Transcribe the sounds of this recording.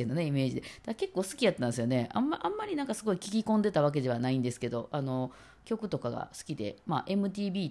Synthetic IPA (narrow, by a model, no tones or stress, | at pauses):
enoneime̞ːʑid̪ed̪̥ake̞kːo̞ːsɨ̥kʲijat̪ːãñesɨjo̞ne̞a̰mːaʔãmːaɾʲinãŋkasɨɡo̞ikʲikʲikõ̞nd̪e̞t̪aβ̞ak̬e̞d̪e̞βanaĩnd̪e̞sɨ̥ke̞d̪o̞ano̞ | kʲo̞kɯ̟t̪o̞kaɡa̰sɨ̥kʲid̪e̞̰ma̰ːʔe̞mɯ̟t̪̬ʲiːbʲiː